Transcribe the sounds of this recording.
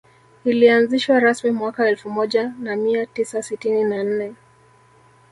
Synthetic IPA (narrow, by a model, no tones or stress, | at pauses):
ilianziʃwaɾasmimwakaɛlfumɔʄanamiatisasitininan̩nɛ